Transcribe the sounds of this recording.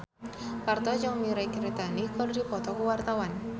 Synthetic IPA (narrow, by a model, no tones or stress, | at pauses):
part̪ɔd͡ʒaŋmiɾakɾit̪anikɔldipɔt̪ɔkuwart̪awan